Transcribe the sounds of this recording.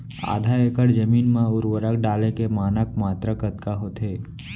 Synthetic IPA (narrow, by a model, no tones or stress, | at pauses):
a̰ːd̪ʱaekəɽd͡ʒəmiːnmẽʊɾwəɾəkɖaːlẽkemaːnək̚maːt̪ɾəkət̪kaɦoːt̪ɦeː